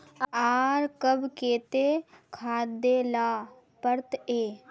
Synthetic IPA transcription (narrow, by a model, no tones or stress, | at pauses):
aːɾkəbkeːt̪eːkʰaːd̪eːlaː | pəɾt̪eː